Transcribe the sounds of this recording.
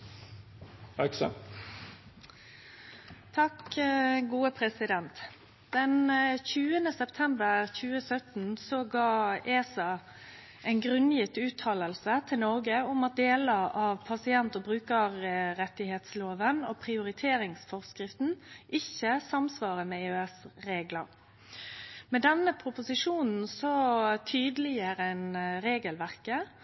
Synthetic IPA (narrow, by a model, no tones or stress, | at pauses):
ɑksə̰ | t̪ʰɑkɡuːəpʰɾɛsɪd̪ɛnt̪ | d̪̥ɛnçʉːənəsɛpt̪ʰɛmbəʁçʉːəsœt̪nsɔɡɑːʔeːsɑ | ɛɪnɡʁʉnjɪt̪ːʉːt̪ʰːɑːləlsət̪ʰɪlnɔʁɡəʊmɑt̪̚d̪eːləʔɑʋpʰɑsɪɛnt̪ɔbɾʉːkəʁɾɛt̪ːɪheːt̪sloːʋənɔpʰʁɪʊɾɪt̪ʰeːɾɪŋsfɔʁskʁɪft̪n̩ʔɪçəsɑmsʋɑːʁəmɛeøɛsɾeːɡləɾ | mɛd̪ɛnːəpʰɾʊpʊsɪʂuːnn̩sɔt̪ʰyːd̪lɪəɾəɛnɾeːɡəlʋæʁkə